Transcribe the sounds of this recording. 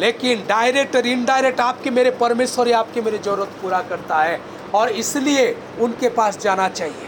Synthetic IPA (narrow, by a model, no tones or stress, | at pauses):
leːkɪnɖaːɪɾek̚ʈɾinɖaːɪɾek̚ʈaːp̚kemeːɾepɐɾmeːswəɾeaːp̚kemeːɾed͡ʒɐɾʊɾət̪puːɾakɐɾt̪aɦɛː | ɔːɾɪslie | ʊnkepaːsd͡ʒaːnat͡ʃaːɦie